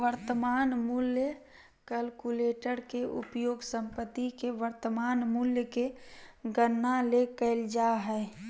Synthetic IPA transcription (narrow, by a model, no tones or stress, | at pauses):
ʋəɾt̪əmaːnmuljə | kəlkuleːʈəɾkeʔʊ̰pjoːɡsə̃mpət̪ːikeʋəɾt̪əmaːnmuljəkeɡənːalekəɪld͡ʒaɦɛː